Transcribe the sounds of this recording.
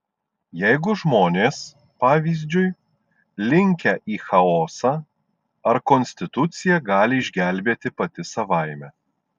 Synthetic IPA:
jɛɪɡʊʒmoːnʲeːs | pɑːʋʲiːzʲd͡ʒʲʊj | lʲɪŋʲkʲɛʔiːxɐoːsɑː | ɐɾkɔnʲsʲt̪ʲɪt̪ʊt̪sʲɪjɛɡɑːlʲɪɪʒʲɡʲæˑlʲbʲeːt̪ʲɪpɐt̪ʲɪsɐʋɐɪmʲɛ

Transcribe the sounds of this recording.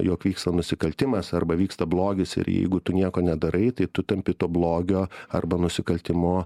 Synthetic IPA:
joːkʋʲiːkst̪ɐnʊsʲɪkɐlʲt̪ʲɪmɐsɐrbɐʋʲiːkst̪ɐblˠoːɡʲɪsɪ̰ɾjɛ̰ɪɡʊt̪ʊnʲiɛkoːnʲɛd̪ɐɾɐɪt̪ɐɪt̪ʊt̪ɐmʲpʲɪt̪oːblˠoːɡʲoːɐ̰rbɐnʊsʲɪkɐlʲt̪ʲɪmoː

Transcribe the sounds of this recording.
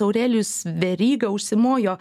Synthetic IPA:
ɐʊɾʲɛːlʲʊsʋʲɛɾʲiːɡɐʊʃʲsʲɪmoːjoː

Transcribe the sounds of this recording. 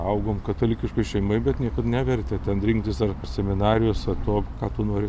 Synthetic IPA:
ɐʊɡoːmkɐt̪ɐlʲɪkʲɪʃkɐɪʃʲɛɪmɐɪbʲɛt̪nʲiɛkɐt̪nʲæʋʲɛrʲt̪ʲɛt̪ʲɛnɾʲɪŋkt̪ʲʋʲɪsɐrsʲɛmʲɪnɑːɾʲɪjoːsɐt̪oːkɑːt̪uːnoːɾʲɪ

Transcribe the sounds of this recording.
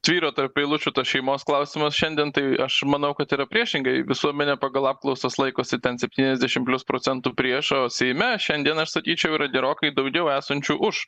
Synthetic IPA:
t̪ʋʲiːɾoːt̪ɐɾppʲeɪlˠʊt͡ʃʲuːt̪ɐsʃʲɛɪmoːsklˠɐʊsʲɪmɐsʃʲɛnʲd̪ʲiɛnt̪ɐɪɐʃmɐnɐʊkɐt̪iːɾɐpʲɾʲiɛʃʲɪŋɡɐɪʋʲɪsuɔmʲɛnʲɛpɑɡɐlˠɑːp̚klˠɐʊsoːslˠɐɪkoːsʲɪt̪ʲɛnsʲɛpʲt̪ʲiːnʲɛzʲd̪ʲæʃʲɪmpʲlʲʊspɾoːt͡sʲɛnt̪uːpʲɾʲiɛʃoːsʲɛɪmʲɛʃʲɛnd̪ʲiɛnɐʃsɐkʲiːt͡ʃʲɛʊiːɾɐɡʲɛɾoːkɐɪd̪ɐʊɡʲɛʊæːsɐnʲt͡ʃʲuːʔʊʃ

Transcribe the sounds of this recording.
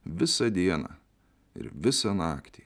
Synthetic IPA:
ʋʲɪsɐd̪ʲiɛnɑ̰ | ɪ̰ɾʋʲɪsɐnɑːkt̪ʲi

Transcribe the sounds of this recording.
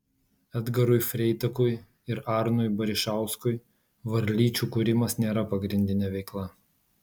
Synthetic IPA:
ɛd̪ɡɐɾʊɪfʲɾʲɛɪt̪ɐkʊj | ɪɾɑˑɾnʊɪjbɐɾʲɪʃɑˑʊskʊɪ | ʋɐɾʲlʲiːt͡ʃʲuːkʊɾʲɪmɐsnʲeːɾɐpɐɡɾʲɪnʲd̪ʲɪnʲɛʋʲɛɪklˠɐ

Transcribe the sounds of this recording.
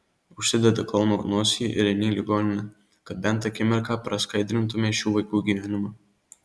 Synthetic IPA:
ʊʃʲsʲɪd̪ʲɛd̪ɐkɐlˠnoːnoːsʲɪjiʔɪɾɛnʲiːlʲɪɡoːnʲɪnʲɛ | kɐt̪̚bʲɛnt̪ɐkʲɪmʲɛɾkɑːpɾɐskɐɪd̪ʲɾʲɪnt̪ʊmʲeːʃʲuːʋɐɪkuːɡʲiːʋʲɛːnʲʊmɑː

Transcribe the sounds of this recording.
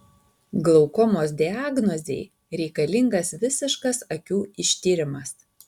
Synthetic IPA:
ɡlˠɔʊkɔmoːsd̪ʲɪaːɡnɔzʲḛɪ | ɾʲɛɪkɐlʲɪŋɡɐsʋʲɪsʲɪʃkɐsɐkʲuːɪʃʲt̪ʲiːɾʲɪmɐs

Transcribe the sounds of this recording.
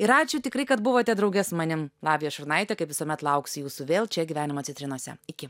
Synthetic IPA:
ɪɾɑːt͡ʃʲʊt̪ʲɪkɾɐɪkɐt̪bʊʋoːt̪ʲɛd̪ɾɐʊɡʲɛsmɐnʲɪmlˠɑːʋʲɪjoːʃɐɾnɐɪt̪ʲɛkɐɪpʋʲɪsoɔmʲɛt̪lˠɐʊksʲjuːsʊʋʲeːlˠt͡ʃʲɛɡʲiʋʲæːnʲɪmoːtt͡s̪ʲɪt̪ɾʲɪnuɔsʲɛ̰ɪkʲɪ

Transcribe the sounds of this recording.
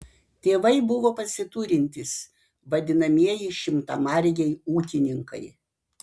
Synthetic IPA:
t̪ʲeːʋɐɪbʊʋoːpɐsʲɪt̪uːɾʲɪnʲt̪ʲɪs | ʋɐd̪ʲɪnɐmʲiɛjɪʃʲɪmt̪ɐmɑɾʲjʲɛɪuːkʲɪnʲɪŋkɐ̰ɪ

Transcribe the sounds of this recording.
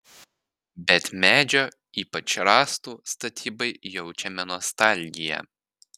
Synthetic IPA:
bʲɛt̪mʲæːd͡ʒʲoː | iːpɐt͡ʃɾɑːst̪uːst̪ɐt̪ʲʰiːbɐɪjɛʊt͡ʃʲɛmʲɛnɔst̪ɑˑlʲɡʲɪjɛ̰

